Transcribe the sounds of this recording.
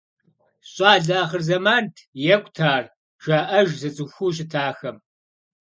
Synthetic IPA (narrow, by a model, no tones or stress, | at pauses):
ɕʼaːɮaːχɨrzɐmaːntʰjɛkʷʰʼtʰaːr | ʒaːʔɐʒzɐt͡sʼɨxʷuːɕ̬ʼɪtʰaːxɐm